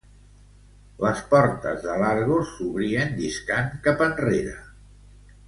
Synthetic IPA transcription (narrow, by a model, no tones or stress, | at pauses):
ləspɔɾt̪əzðəlaɾɣosuβɾiənd̪iskaŋkapənreɾə